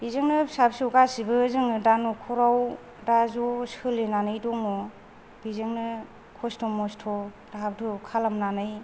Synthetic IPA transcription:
bizɯŋnɯsabsɯwɡasibɯzɯŋnɯdanɔkʰɔɾaw | dazɔshɯlenanɯjdɔŋmɔ | bizɯŋnɯ | kʰɔstʰɔmɔstʰɔ | d̥abdʰɔkʰalamnanɯj

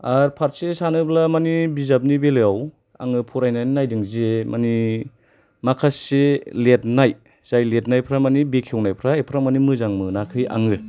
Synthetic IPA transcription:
aɾpʰaɾsesanɯblamanibizap̚nibelɯjaw | a̰ŋɯpʰuɾajnajninajdɯŋzemani | makʰaselet̚naj | z̥ajlet̚najpʰɾamanibekʰewnajpʰɾaepʰɾamanimɯzaŋmɯnakʰɯja̰ŋɯ

